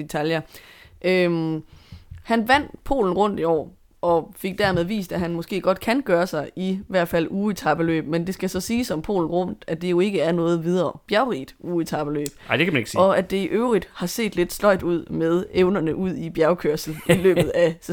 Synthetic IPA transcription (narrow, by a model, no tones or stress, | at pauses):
et͡sʰæljɐʔø | hænʋæn̰pʰo̝̰ːln̩ʁɔ̽n̰d̥iɒ̰ː | ʔɒ̽fe̝ɡ̥̚d̥æɐmeðˠʋḭːsd̥æhænmɔ̽sɡ̥e̝̰ːɡ̥ɒ̽d̥kʰænɡ̥ɶːɐsɑ̈ɪiʋæɐ̰d̥fæl̰uːit͡sʰɑ̈b̥əlø̰ːb̥mend̥e̝sɡ̥æsɒ̽siːsɒ̽mpʰo̝̰ːln̩ʁɔ̽n̰d̥ædd̥e̝jo̝e̝ɡ̥əæɐnɔ̽ːð̞̩ˠʋið̞ˠɐːb̥jæʊʁḭːd̥uːit͡sʰɑ̈b̥əlø̰ːb̥ɪd̥ekʰæmæneɡ̥ɒ̽æd̥e̝ʔøʊʁid̥hɑ̈se̝̰ːd̥le̝d̥slɒ̽ɪ̰d̥uð̞̰ˠmeð̞ˠeʊnɐnəʔuð̞̰ˠib̥jæɐʊkʰøɐ̰sl̩ilø̰ːð̩ˠæs